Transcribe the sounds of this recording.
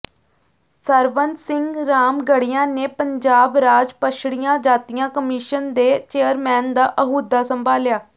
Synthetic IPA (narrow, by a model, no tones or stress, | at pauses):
səɾʋənt̪sɪŋɡɾaːmɡəɽɪjãːneːpəɲd͡ʒaːbɾaːd͡ʒpəʃʰɽɪjãːd͡ʒaːt̪ijãːkəmiːʃənd̪eːt͡ʃeːəɾmɛːnd̪aːʔəɦuːd̪aːsəmbʱaːljaː